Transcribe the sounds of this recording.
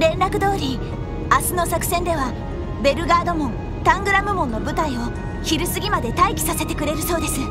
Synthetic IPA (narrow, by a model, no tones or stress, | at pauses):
ɾẽ̞nɾakɯ̟d̪o̞ːɾʲi | asɨno̞sakɯ̟̥sẽ̞nd̪e̞βa | be̞ɾɯ̟ɡaːd̪o̞mõ̞n | t̪ãŋɡɯ̟ɾamɯ̟mõ̞nːo̞bɯ̟t̪aĩo̞ | çiɾɯ̟sɨɡʲimad̪e̞t̪aikʲi̥sase̞t̪e̞kɯ̟ɾe̞ɾɯ̟so̞ːd̪e̞sɨ